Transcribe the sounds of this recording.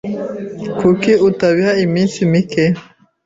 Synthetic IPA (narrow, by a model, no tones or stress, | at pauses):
kʰukiʔutaβiaimisimikɛ